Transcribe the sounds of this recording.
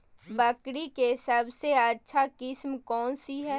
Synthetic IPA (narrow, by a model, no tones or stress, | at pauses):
bəkɽikesɐbseɐtːʃʰakɪsmkɔːnsiɦɛː